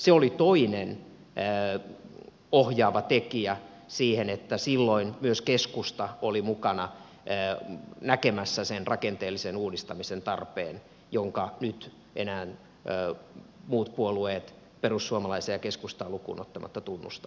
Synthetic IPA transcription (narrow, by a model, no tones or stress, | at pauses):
seolit̪oinen | ohjɑːʋɑt̪ekiæ | siːhenet̪ːæsilːoinmyøskeskust̪ɑolimukɑnɑ | nækemæsːæsenrɑkent̪eːlːisenuːdist̪ɑmisent̪ɑrpḛːn | joŋkɑnyt̪ | ʔḛnæːnː | muːt̪puolueːt̪ | perusːuomɑlɑiseɑkeskust̪ɑːlukṵːno̰t̪ːɑmʔɑ̰t̪ːɑt̪unːṵst̪ɑ̥